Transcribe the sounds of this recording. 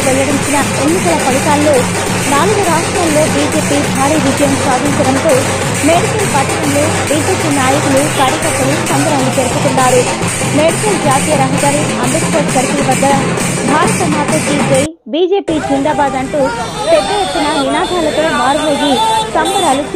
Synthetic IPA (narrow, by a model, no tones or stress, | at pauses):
ʋɛlːɐɽiɲt͡ʃinɐ | enːikɐlɐpɐɽɐkaːlːoː | naːluɡuɾaːʂʈɾaːlːo̞ːbiːd͡ʒe̞ːpiːb̪ʱaːɾiːʋid͡ʒɐjɐmsaːd̪ʱiɲt͡ʃɐɽɐnt̪oː | meːɽikɐlpɐʈ̪ːɐkɐlu | biːd͡ʒeːpiːnaːjɐkulukɐːɾikɐt̪ːɐlusɐmbʱɐɾɐnlupeɾput̪unːaːɾu | meːɽikɐld͡ʒaːt̪iːjɐɾɐɦɐd̪aːɾiɐmbet̪koːʈpɐɾupilɐʋɐd̪ːɐnɐ | bʱaːɾɐt̪ɐmʱaːkɐd̪iːd͡ʒej | biːd͡ʒe̞ːpiːd͡ʒind̪aːbaːd̪ɐɳʈuː | pɛd̪ːɐjet̪ːinɐninaːd̪ʱaːlɐt̪o̞ːmaːɾuleːɡisɐmbʱɐɾaːlu